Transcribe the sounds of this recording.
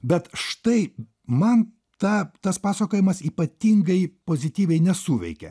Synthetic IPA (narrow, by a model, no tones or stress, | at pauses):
bʲɛt̪ʃt̪ɐɪ | mɐn | t̪ɑt̪ɐspɑːsɐkoːjɪmɐsiːpɐt̪ʲiŋɡɐɪpoːzʲɪt̪ʲiːʋʲɛɪnʲɛsuːʋʲɛ̰ɪkʲɛ̰